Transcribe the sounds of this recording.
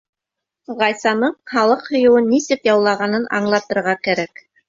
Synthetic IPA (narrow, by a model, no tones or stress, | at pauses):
ʁɑjsɑnɤɴχɑlˠɤqhŏjɤ̆wɤnːisɘpjɑwlˠɑʁɑnɤnʔɑ̰ɴlˠɑt̪ɤ̆ɾʁɑkæɾæk